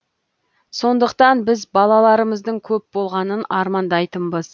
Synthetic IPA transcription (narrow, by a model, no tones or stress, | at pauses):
so̞nd̪əqt̪ɑnbɪzbɑlˠɑlˠɑɾəməzd̪əɴkʲʰɵp̚bo̞lˠʁɑnənɑɾmɑnd̪ɑjt̪əmbəz̥